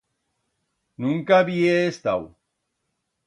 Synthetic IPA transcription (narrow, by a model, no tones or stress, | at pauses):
nũŋkaβieːst̪a̰w